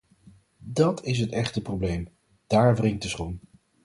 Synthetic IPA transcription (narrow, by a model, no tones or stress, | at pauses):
dɑtʰɪs̬ɦətɛχtəprowblejm | d̥aːɹvrɪŋ̚dəsχun